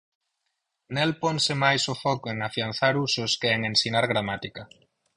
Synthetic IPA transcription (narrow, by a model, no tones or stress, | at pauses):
nelpɔŋsɪmajsʊfɔkʊeŋafianθaɾusʊskeeŋensinaɾɣɾamat̪ikɐ